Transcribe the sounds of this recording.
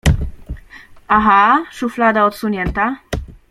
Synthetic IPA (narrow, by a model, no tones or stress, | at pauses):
aɦaʂuflad̪aɔt̪suɲɛnt̪a